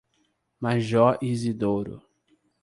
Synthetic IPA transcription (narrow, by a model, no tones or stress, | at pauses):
maʒɔʔizid̪oɾʊ̰